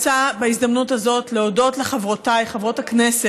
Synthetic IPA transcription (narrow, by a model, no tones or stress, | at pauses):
t͡sabeizdamnuthazo̞tle̞odo̞tleχavʁotajχavʁo̞thaknese